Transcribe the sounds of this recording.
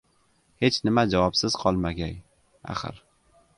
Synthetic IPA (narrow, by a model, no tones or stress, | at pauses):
he̞t͡ʃnɪmad͡ʒavɒpsɪz̥qʰɒlˠmaɡʲaj | a̰χɨ̰ɾ